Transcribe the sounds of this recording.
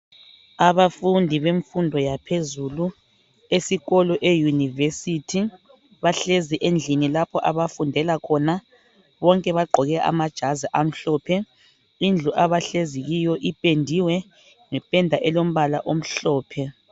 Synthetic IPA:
aβafundʱiβeɱfundʱɔjapʰezulu | esiɣɔlɔʔejunivesitʰi | βaɬeziʔend͡ɮʱinilapʰɔʔaβafundʱɛlakʰɔna | βɔŋkʼɛβaɡ͡ǃʱɔɣɛʔa̰mad̥ʒ̥ʱaziʔam̩ɬɔːpʰɛ | ind͡ɮʱuʔaβaɬeziɣijɔʔipʼendʱiwɛ | ŋɛpʼɛndʱaʔɛlom̩βalaʔom̩ɬɔːpʰɛ

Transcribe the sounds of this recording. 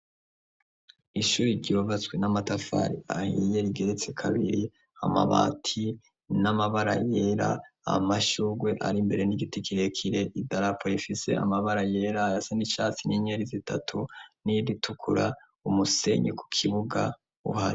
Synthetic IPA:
iʃuːɾiɾɟiovat͡swenamatafa̰ɾiahije̞ɾiɡe̞ɾet͡se̞kʰaβiɾi | a̰ma̰βa̰ːtʰi | namaβaɾa̰jeɾa̰a̰maʃuɡwe̞ʔaɾimbe̞ɾe̞niɡitikʰiɾekʰiɾe̞ʔidaɾapojifise̞̰a̰maβaɾaje̞ːɾajasanit͡ʃaːt͡siniɲeɾizitʰatʰuniditʰukʰuɾa | umuse̞̰ɲḛku̥kʰiβuɡa̰ | ṵhaɾi

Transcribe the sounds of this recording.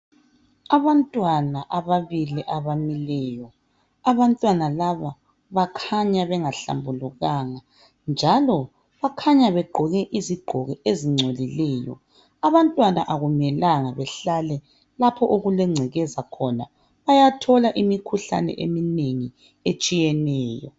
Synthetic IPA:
aβantʼwanaʔaβaβiliʔaβamilɛːjɔ | aβantʼwanalaβa | βakʰaɲaβɛŋaɬa̰mbʱuluɣaŋa | nd͡ʒʱalɔ | βakʰaɲaβɛɡ͡ǃʱɔɣɛʔiziɡ͡ǃʱɔɣɛeziŋ͡ǀʱolilɛːjɔ̰ | aβantʼwanaʔaɣumɛlaŋaβɛɬalɛ | lapʰɔʔoɣulɛŋ͡ǀʱɛɣɛzakʰɔna | βajatʰɔlaʔimikʰuɬa̰nɛ̰ʔemineŋi | et͡ʃʼijɛnɛːjɔ̰

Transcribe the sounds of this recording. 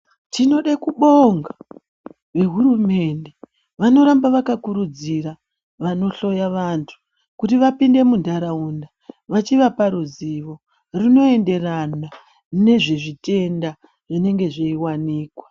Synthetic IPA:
tino̞ɗakuɓoŋɡa | ʋe̞ɦuɾume̞nde | ʋano̞ɾambaʋakakuɾud͡zira | ʋano̞ɬo̞jaʋantʰu̥ | kutiʋapinde̞mundʱaɾaunda | ʋat͡ʃiʋapaɾuziʋo̞ | rino̞e̞nde̞rana | ne̞ʐeʐite̞nda | ʐine̞ŋɡe̞ʐeiwaniːkwa

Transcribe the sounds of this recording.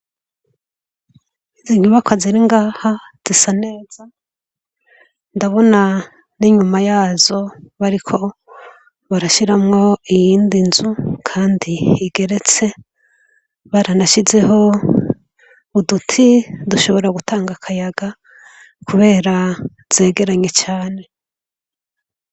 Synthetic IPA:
iziɲuβakwaziɾiŋɡaːhaz̥isane̞ːz̥a | ndaβo̞na | niɲumajaːzo̞βaɾikʰo̞ | βaɾaʃiɾamŋo̞ijiːndinzukʰaːndiːɡe̞ɾe̞t͡se̞ | βaɾanaʃize̞ɦo̞ | udutʰiduʃo̞βo̞ɾaɡutʰaːŋɡakʰajaɡa | kʰuβe̞ːɾa | z̥e̞ːɡe̞ɾaɲe̞t͡ʃaːne̞

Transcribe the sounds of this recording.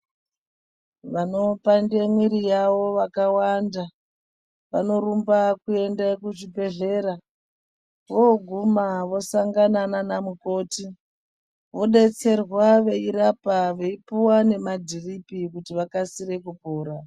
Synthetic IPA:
ʋano̞pande̞mwiɾijaʋo̞ʋakawanda | ʋano̞ɾumbakue̞ndakut͡ʃibʱe̞ɮe̞ɾa | ʋoɡʱumaʋo̞saŋɡanananamuko̞ːti | ʋo̞ɗe̞t͡se̞rwaʋe̞iɾapaʋe̞ipuwane̞madʱiripikutiʋakasire̞kupoːɾa

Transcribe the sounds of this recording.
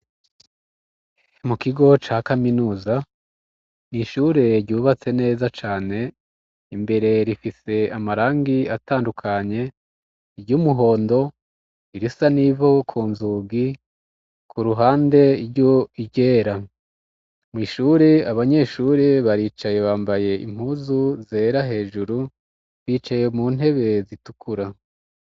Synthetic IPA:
mukiɡo̞t͡ʃaːkaminuːza | niʃuɾeɾɟuːβat͡se̞ne̞ːzat͡ʃaːne̞ | imbe̞ɾe̞ɾifise̞amaɾaːŋɡiataːndukʰaɲe̞ | iɾɟumuɦo̞ːndo̞ | iɾisanivo̞kʰuːnzuɡi | kʰuɾuɦaːnde̞iɾɟoiɟeːɾa | mwiːʃuɾiaβaɲe̞ʃuɾiβaɾiːt͡ʃaje̞βaːmbaje̞ḭm̥huzuze̞ɾaɦe̞ːʒuɾu | βiːt͡ʃaje̞muːn̥he̞βe̞zitukʰuɾa

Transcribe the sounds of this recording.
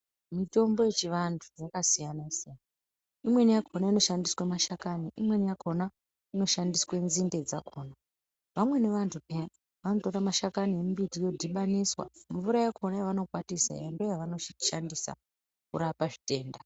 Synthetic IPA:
mito̞mbo̞je̞t͡ʃiʋantʰu̥jakasijanaisijana | imwe̞nijakʰo̞naino̞ʃandiswemaʃakaniʔimwe̞nijako̞na | ino̞ʃandiswe̞nzinde̞d͡zakʰo̞ːna | ʋamwe̞ne̞ʋantʰupe | ʋano̞to̞ɾamaʃakaniembitijo̞dʱiɓaniswa̰mvuɾajakʰo̞najeʋano̞kwatisa̰jandojaʋano̞ʃandisa̰ | kuɾapaʐite̞ːnda

